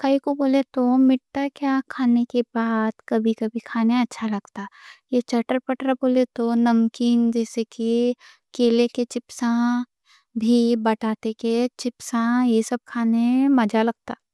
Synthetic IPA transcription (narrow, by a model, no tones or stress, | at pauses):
kɐikoboːlet̪omɪʈːakjaːkʰaːnekebaːd̪kɐbʱikɐbʱikʰaːneɐtːʃʰalɐɡt̪ajet͡ʃɐʈəɾpɐʈɾaboːlet̪onɐmkiːnd͡ʒɛːseki | keːleket͡ʃɪpsã | bʱibɐʈaːt̪eket͡ʃɪpsãjesɐb̚kʰaːnemɐd͡ʒalɐɡ̚t̪aː